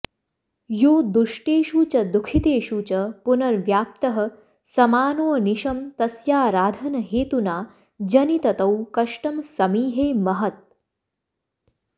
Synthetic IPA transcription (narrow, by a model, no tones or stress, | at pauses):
joːd̪uʂʈeːʃuːt͡ʃɐd̪ukʰit̪eːʃuːt͡ʃɐpunɐɾʋjaːp̚t̪ɐɦɐ̆ | sɐmaːnoːɐniʃɐmt̪ɐsjaːɾaːd̪ʱɐnɐɦeːt̪unaː | d͡ʒɐnit̪ɐt̪ɐwkɐʂʈɐmsɐmiːɦeːmɐɦɐt̪̚